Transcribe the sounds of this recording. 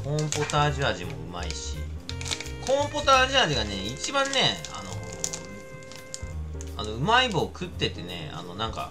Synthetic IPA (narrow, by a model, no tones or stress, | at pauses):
kõ̞mpot̪aːʑiaʑimo̞̰ɯ̟̰maiɕḭ | kõ̞mpot̪aːʑiaʑiɡane̞it͡ɕibãnːe̞a̰no̞̰ | ano̞ɯ̟maibo̞ːkɯ̟t̪ːe̞t̪e̞ne̞̰a̰no̞nãŋka̰